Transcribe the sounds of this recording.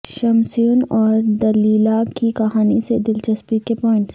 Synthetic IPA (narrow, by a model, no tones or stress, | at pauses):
ʃɐmsuːnɔːɾd̪ɐliːlakikɐɦaːnised̪ɪlt͡ʃɐspikepɔːɪ̃ɳʈs